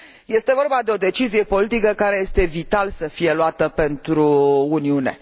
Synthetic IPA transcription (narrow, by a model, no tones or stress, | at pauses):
je̞st̪e̞vo̞rbad̪e̞o̞d̪e̞t͡ʃizije̞po̞lit̪ikəkaɾe̞je̞st̪e̞vit̪alsəfije̞luat̪əpe̞nt̪ɾuːniune̞̰